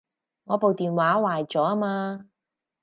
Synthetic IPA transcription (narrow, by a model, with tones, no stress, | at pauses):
ŋɔː˨˧po˨wt̪iː˨nwaː˨˥waː˨jt͡sɔː˨˥a˥maː˧